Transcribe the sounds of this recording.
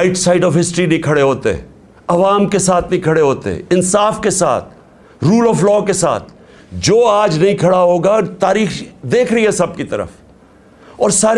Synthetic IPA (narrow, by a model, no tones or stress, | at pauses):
ɪʈsaːɪɖɔːfɦɪsʈɾinĩkʰɐɽeɦoːt̪ḛɦɛ̰̃ | ɐʋaːmkesaːt̪ʰnɐĩkʰɐɽeɦoːt̪ḛɦɛ̰̃ɪnsaːfkesa̰ːt̪̚ʰ | ɾuːlɔːflɔːkesa̰ːt̪ʰ | d͡ʒoːaːd͡ʒnɐɦĩkʰɐɽaɦoːɡat̪aːɾiːxd̪eːkʰɾɐiɦɛsɐb̚kit̪ɐɾə̰f | ɔːɾsaːɾ